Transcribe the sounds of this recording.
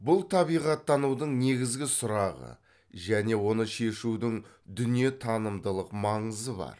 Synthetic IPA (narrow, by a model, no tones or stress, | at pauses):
bʊlˠt̪ʰɑβijʁɑt̪ːɑnud̪əɴne̞ɡʲɪzɡʲɪsʊɾɑʁə̰ | ʒæne̞wo̞n̪əʃe̞ʃud̪ɪŋ | d̪ʏnije̞t̪ʰɑnəmd̪əlˠəqmɑɴəzəbɑ̰ɾ